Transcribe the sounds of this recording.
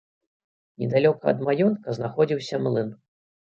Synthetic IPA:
nʲɛd̪alʲɔkɐɐ̰d̪majɔnt̪kɐznaxɔd͡zʲiwsʲɐmlˠɨn

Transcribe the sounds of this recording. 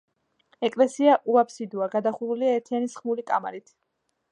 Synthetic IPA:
ɛkʼlɛsiaʔuapʰsid̪uaɡad̪aχuɾuliaɛɾt̪ʰianisχmulikʼama̰ɾit̪ʰ

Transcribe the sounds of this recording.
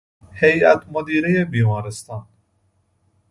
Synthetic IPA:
hejæ̰t̪mod̪iːɾejebiːmɑːɾest̪ɑːn

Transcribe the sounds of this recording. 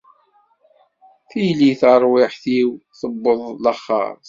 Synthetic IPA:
θijliθəɾˤwɪħθiwθəbːəðˤləχːɑ̰ɾ

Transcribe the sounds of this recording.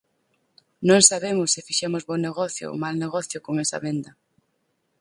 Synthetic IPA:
nõŋsaβemʊsːɪfiʃɛmʊzβoneɣɔθjʊ̰malneɣɔθjʊkoŋesɐ̰βend̪ɐ

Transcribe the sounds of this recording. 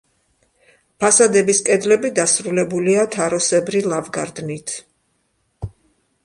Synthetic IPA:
pʰasad̪ɛbiskʼɛd̪lɛbid̪asɾulɛbuliat̪ʰaɾɔsɛbɾilˠavɡa̰ɾd̪nit̪ʰ

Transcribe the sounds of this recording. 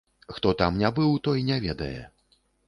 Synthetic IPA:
xt̪ɔt̪amnʲabɨwt̪ɔjnʲɛvʲɛd̪ɐ̰jɛ̰

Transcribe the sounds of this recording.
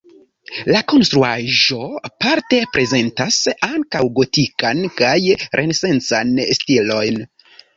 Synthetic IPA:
lako̞nst̪ɾuaʒo̞apaɾte̞pɾʔe̞ze̞ntasaŋkawɡo̞tikankajɾʔe̞nese̞nt͡sanstilo̞jn

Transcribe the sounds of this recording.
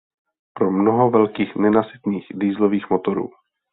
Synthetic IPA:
pɾomnoɦovɛlkiːxnɛnasɪt̪niːxdiːzloviːxmot̪oɾṵː

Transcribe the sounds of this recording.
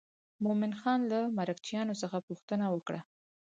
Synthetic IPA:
momɪnxɑnlamaɾakt͡ʃjɑnosəxapuxt̪ənawəkɽa̰

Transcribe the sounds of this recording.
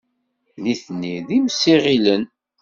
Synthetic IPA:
niθnːiðimsːiʁilən

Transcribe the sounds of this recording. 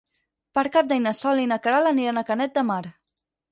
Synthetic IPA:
pəɾkap̚d̪ajnəsɔlinakəɾalaniɾənakənɛt̪̚d̪əmaɾ

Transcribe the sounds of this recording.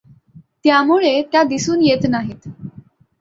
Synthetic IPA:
t̪jamuɭet̪jad̪isuːnjet̪naɦit̪

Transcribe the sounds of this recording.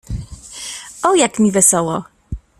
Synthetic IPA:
ɔjakmʲivɛsɔwɔ

